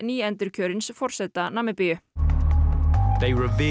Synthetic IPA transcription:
niːɛnt̪ɪɾ̥cʰœːɾɪnsfɔr̥sɛt̪ːanamːɪpɪʏ | ðeɪɹɪvi

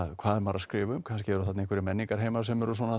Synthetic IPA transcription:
kʰvaːðɛmaɾaskɾɪːvʏmkʰanscɪɛɾʏθat̪ehkvʏɾɪmɛnːiŋkaɾ̥ɦeːjmaɾ̥s̬ɛmɛɾʏs̬ɔːna

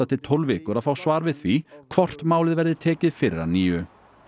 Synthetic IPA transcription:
at̪ʰɪlt̪ʰɔlvɪːkʏɾaðfaːwsvaːɾvɪðθvikʰvɔr̥t̪maːwlɪðvɛɾðɪt̪ʰɛːcɪðfɪɾːa̰ɾniːʏ

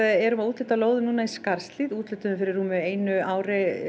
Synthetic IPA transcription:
ɛɾʏmaðuːt̪lʏːt̪aloːwðʏnuːnaiskaɾ̥st̪liːðuːt̪lʏt̪ʏʏmfɪɾɪɾ̥ːuːmʏeːjnʏaːwɾɪ

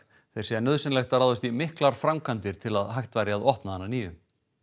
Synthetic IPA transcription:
θejɾ̥sɛanœðsɪnlɛjxt̪aɾaːðɪst̪imɪhklaɾ̥fɾamkʰant̪ɪɾ̥t̪ʰɪlaðɦajht̪vajɾjaaðɔhpnahanːaniːvʏm

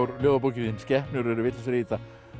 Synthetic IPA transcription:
wɾljoːwðapucɪðɪnscɛhpnʏɾɛɾʏvɪt̪sɾiːt̪a

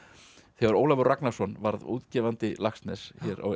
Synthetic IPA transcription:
θɛvaɾoːwlavʏɾraknḁsɔnvaɾðṵːðcɛːvant̪ɪlaxst̪nɛsçɛɾa̰

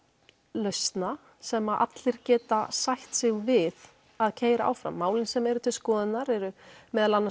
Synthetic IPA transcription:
lœɥst̪na | sɛmaʔa̰t̪lɪɾ̥cɛːt̪asajht̪sɪɣvɪð | aðcʰeːjɾaʔa̰wfɾa̰mːaːwlɪnsɛmɛɾʏt̪ʰɪlskɔːðɪt̪naɾɛɾʏmɛːðalanːa

